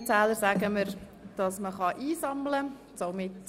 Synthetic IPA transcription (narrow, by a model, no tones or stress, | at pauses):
t͡sæːləɾsæɡəməɾ | d̥ɑsməχɑʔiːsɑmlə | somɪt